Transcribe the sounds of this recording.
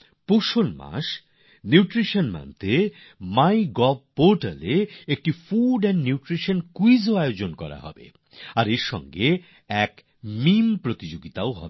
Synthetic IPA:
poʃolma̰ʃ | njiuʈɾiʃonma̰nt̪e | majɡɔb̚ʱpoɾʈaleek̚ʈifuɖɛnːiuʈɾiʃankuizoaeod͡ʑonkɔɾa̰ɦɔ̰bḛ | aɾeɾʃɔ̰ŋɡe | ɛk | mimpɾot̪id͡ʑoɡit̪aoɦɔ̰be

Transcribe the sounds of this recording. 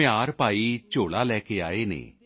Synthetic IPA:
ɪaːɾpaːiːt͡ʃoːɽaːlɛːkeːa̰ːeːnḛː

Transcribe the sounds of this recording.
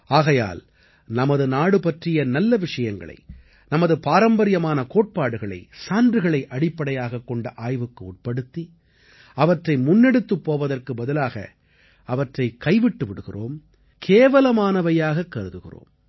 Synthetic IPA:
aːɣɐja̰ːl | nɐmɐðɯnaːɽɯpɐʈrɪjɐnɐlːɐʋɪʂɐjɐŋɡɐ̰ɭɐ̰ɪ | nɐmɐðɯpaːɾɐmbɐɾɪjɐmaːnɐkoːʈ̚paːɽɯɣɐɭɐ̰ɪsaːndrɯɣɐɭɐɪʔɐɽɪpːɐɽɐjaːɣɐkːɔɳɖɐʔaːjʋɯkːɯuːʈ̚pɐɽɯt̪ːi | ɐʋɐʈrɐɪmʊnːɛɽɯt̪ːɯpːoːʋɐðɐrkɯbɐðɯlaːɣɐ̰ | ɐʋɐʈrɐɪkɐɪʋɪʈːɯʋɪɽɯɣɪ̰rʔo̰ːm | kʰeːʋɐlɐmaːnɐʋɐjaːɣɐkːɐɾɯðɯɣɪ̰ro̰ːm

